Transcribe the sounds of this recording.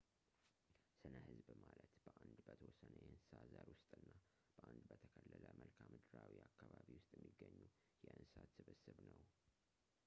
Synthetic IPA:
sɨnəhɨzbmalət̪b̥əʔand̪bət̪ʰəwɔsːənəjɛhɨnsɨ̥sazaɾwʊst̪ʼɨnːa | b̥əʔand̪bət̪ʰəkʰəlːələməlkʰamɨd̪ɨɾawiakːaβaβiwʊst̪ʼjɛmːiɡːəɲːu | jɛʔɨnssat̪sɨβɨsɨβnəw

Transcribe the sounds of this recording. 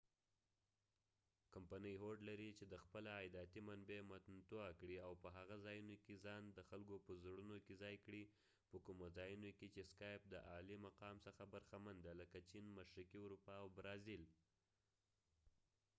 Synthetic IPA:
kampanəjɦoɖlaɾit͡ʃed̪əxpəlaːjd̪ɑt̪imanbemat̪nt̪oakɽiawpəɦaɣazɑjunokezɑnd̪əxalkopəzɽunokezɑjkɽi | pəkumozɑjunoket͡ʃeskɑjp̚d̪əʔɑlimaqɑmsəxabaɾxamand̪aləkat͡ʃinmaʃɾikiʊɾupɑawbɾɑzil

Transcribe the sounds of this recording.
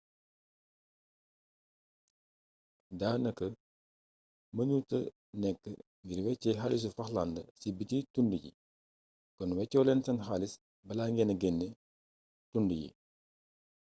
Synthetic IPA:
daːnɐkːə | mɐɲutə | nɛkːə̰ | ŋɡiɾwɛt͡ʃːɛɦalis̬ufɐxlandəsibititundəɟḭ | kɔnwɛcːɔːlɛnsɐnxalis | bɐlaːŋɡɛnɐɡɛnːɛ | tundəjḭ

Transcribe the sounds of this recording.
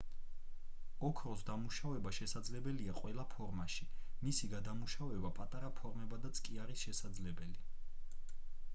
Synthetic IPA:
ɔkʰɾɔsd̪amuʃavɛbaʃɛsad̪zlɛbɛliaqʼwɛlˠapʰɔɾmaʃimisiɡad̪amuʃavɛbapʼat̪ʼaɾapʰɔɾmɛbad̪at̪sʰkʼiaɾisʃɛsad̪zlɛbɛli

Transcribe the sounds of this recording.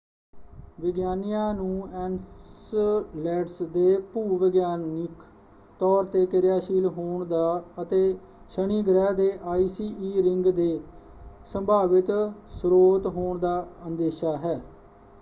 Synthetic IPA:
ʋɪɡjaːnɪjãːnũːɛːnslɛːɖsd̪eːpuːʋɪɡjaːnɪk | t̪ɔːɾt̪eːkɪɾɪjaːʃiːlɦoːɳd̪aːət̪eː | ʃəɽ̃iːɡɾɛːd̪eːʔaːiːsiːiːɾɪŋɡd̪eː | səmbʱaːʋɪt̪sɾoːt̪ɦoːɳd̪aːənd̪eːʃaːɦɛː

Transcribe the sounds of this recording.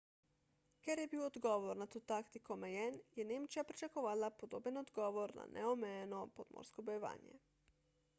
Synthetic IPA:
kjeɾjɛbiːwod̪ɡoʋoɾnat̪ot̪akt̪ikomejɛnjɛneːmt͡ʃjapɾit͡ʃekoʋaːlapod̪oːbenod̪ɡoʋoɾna̰nʔɛomɛjenopod̪mo̰ːɾskobojeʋa̰ːnjɛ̰

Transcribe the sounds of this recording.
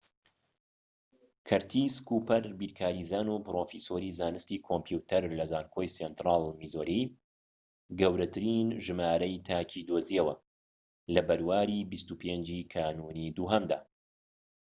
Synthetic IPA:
kʰɐɾt̪ʰiskuːpɐɾbiːɾkʰaːɾiːzaːnupɾoːfisoɾizaːnɨst̪iːkʰompjut̪ɐɾlɐzaːnkʰoːjsent̪ɾaːlˠmizoɾi | ɡɐwɾɐt̪ʰɨɾinʒɨmaːɾɐjt̪ʰaːcʰid̪oziɛwɐ | lɐbɐɾwaːɾibist̪upʰeːnd͡ʒikʰaːnuːnid̪uːɦɐmd̪a̰ː

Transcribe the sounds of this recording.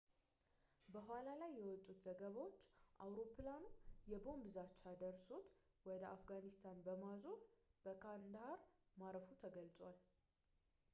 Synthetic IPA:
bəɦʷalalajːɛwɔt̪ʼːut̪z̥əɡəβawo̞t͡ʃːʔawɾo̞pʰɨlanujɛbo̞mbɨzat͡ʃːad̪əɾsut̪ | wɔd̪əafɡanist̪ʰanbəmazonb̥əkʰand̪haɾmaɾəfut̪ʰəɡəlt͡sʼwal

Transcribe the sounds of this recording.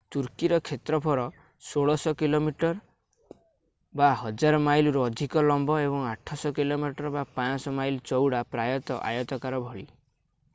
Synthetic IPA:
t̪uɾkiɾɔkʰet̪ɾɔpʰɔɾɔ | soɭɔsɔkilomiʈɔɾ | baɦɔd͡ʒaɾɔmajluɾɔːd̪ʱikɔlɔmbɔebɔŋaʈʰɔsɔkilomiʈɔɾbapãsɔmajlt͡ʃɔwɽapɾajɔt̪ɔʔa̰jɔt̪ɔkaɾɔbʱɔɭi

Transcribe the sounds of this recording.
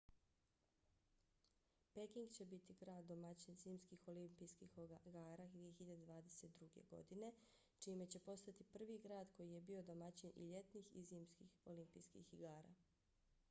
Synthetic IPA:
pe̞kiŋɡt͡ɕe̞bit̪iɡɾaːd̪ːo̞mat͡ɕinziːmskixo̞limpijskixɡaːɾaɡd̪ʋije̞xiʎad̪ed̪ʋaːd̪e̞se̞t̪̚d̪ɾuɡe̞̰ɡo̞̰d̪ine̞ | t͡ʃime̞t͡ɕe̞po̞st̪at̪ipr̩ʋiɡɾaːd̪kʰo̞jije̞bio̞d̪o̞mat͡ɕinʔḭʎe̞t̪niːxḭziːmskixo̞limpijskḭxːiɡaːɾa̰

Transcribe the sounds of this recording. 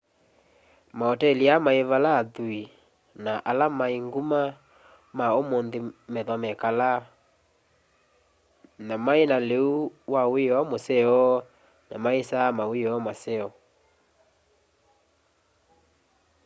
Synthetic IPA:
maɔtɛliamaeβalaːðui | naʔalamaeŋɡuma | maomonðemɛðɔmɛkala | namaenaleuwaweɔamosɛɔ | na̰maesamaweɔamasɛɔ

